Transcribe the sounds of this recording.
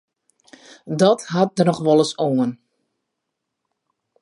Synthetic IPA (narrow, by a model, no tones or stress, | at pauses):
dɔtɦat̚dənɔxʋɔlˠəsoən